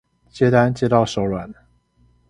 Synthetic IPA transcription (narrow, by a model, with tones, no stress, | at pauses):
t͡ɕjɛ˥t̪a˥˧nt͡ɕjɛ˥t̪ɑ˥˩ʊʂo˨˧˥ʊlwa˨˩n